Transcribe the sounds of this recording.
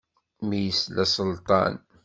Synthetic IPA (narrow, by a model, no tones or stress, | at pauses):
mijəslæsˤəlt̪ˤɑ̰n